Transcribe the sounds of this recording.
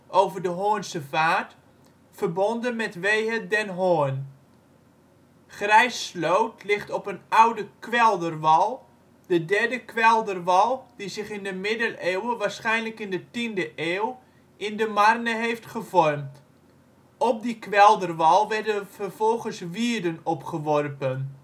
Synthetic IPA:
ʔowvərdəɦoənsəvaːt | fərbɔndənmɛtʋejɦədɛnɦoən | χrɛjslowtlɪχtɔpənawdəkʋɛlˠdərʋɑlˠ | d̥ədɛrdəkʋɛlˠdərʋɑlˠd̥izɪχɪndəmɪdəleːwəʋaːrsχɛjnləkɪndətindəʔeːw | ɪndəmarnəɦejftχəvɔrmt | ɔp̚dikʋɛlˠdərʋɑlˠʋɛrdəfərvɔlˠχənsʋiədənɔpχəʋɔrpən

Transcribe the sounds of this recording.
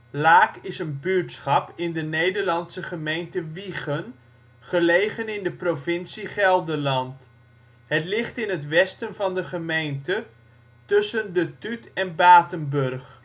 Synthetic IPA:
laːkɪsənbyɹtsχɑpɪndənejdəɹlɑnsəχəmejntəʋiχən | χəlejχənɪndəprovɪnsiχɛlˠdəlɑnt | ɦətlɪχtɪnətʋɛstənvɑndəχəmejntə | tɵsəndətytɛnbaːtənbɵrχ

